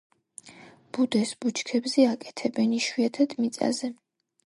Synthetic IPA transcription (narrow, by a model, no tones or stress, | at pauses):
b̥ud̪ɛsbut͡ʃʰkʰɛbzɛakʼɛ̥t̪ʰɛbɛniʃwiat̪ʰat̪ʼmit̪sʼa̰zɛ